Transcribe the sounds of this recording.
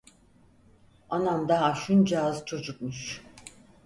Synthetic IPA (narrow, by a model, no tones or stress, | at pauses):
anamd̪aɦaʃund͡ʒaːzt͡ʃʰod͡ʒuk̚muʃ